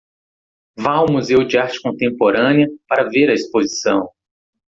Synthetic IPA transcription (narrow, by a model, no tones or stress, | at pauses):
vaʊmuzewd͡ʒɪaɾt͡ʃɪ̥kõnt̪ẽmpoɾɐ̃niɐpaɾɐveɾɐispozisɐ̰̃w̃